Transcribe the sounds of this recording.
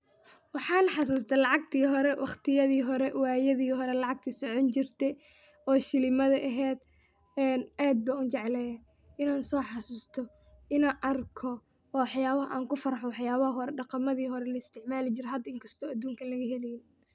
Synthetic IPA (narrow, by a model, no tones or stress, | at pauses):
wɑħɑːnħɑs̬ɐs̬t̪ʰɐlɑʕɑɡt̪ʰiːɦɔɾɛwʔɑχt̪ʰɪjɐðiːɦɔɾɛwaːjɐðiːɦɔɾɛlɑʕɑɡ̚t̪ʰisɔʕɔnt͡ʃɪrt̪ʰɛ | ɔːʃɪlɪmɐðɐʔɐɦɛːd̪ | ɛːnaːd̪̚bɐʊnt͡ʃɛʕlɛjɐ | ɪnaːnsɔːħɑsuːst̪ʰɔ | ʔɪnaːnʔɐrkʰɔ | ɔːwħjaːβɐɦɐʔaːŋkʊfɐɾɐħɔwɑħjaːβɐhɐɦɔɾɛɖɑqɑmɐðiːɦɔɾɛlɐɪst̪ʰɪʕmaːlɪt͡ʃɪɾɛɦɐd̪ɐɪŋkʰɐst̪ʰɔːɐd̪uːŋkʰɐlɐɣɐɦɛlɛjɪn